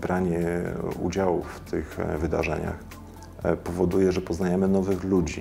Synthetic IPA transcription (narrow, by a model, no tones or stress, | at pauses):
bɾaɲɛṵd͡ʑawṵft̪ʰɘxvɘd̪a̰ʐɛ̰ɲa̰x | pɔvɔd̪ujɛʐɛpɔznajɛmɘnɔvɘxlud͡ʑḭ